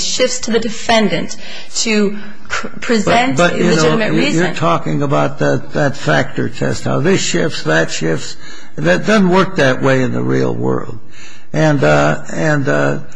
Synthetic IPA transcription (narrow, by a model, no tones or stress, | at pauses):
ʃɪfstʰɨðɨdɨfɛ̃ndɨ̃nt | tʰɨ | pʰɹ̥ɨzbɛ̃nb̥ʌʔɨnoʊjjə˞tʰɔkɪ̃ŋəbaʊt̪̚ðɨtðɨtfæ̰k̚tə˞tʰɛ̰st̚ha̰ʊðɪsʃɪfsðɨtʃɪfs | ðɨt̚d̥ʌzⁿn̩wɜ˞k̚ðɨʔweɪɨ̃nðə̰ɹḭl̩ˠwɜ̰˞lˠd̚ | ʔɨ̃n | ɨ̃nʌ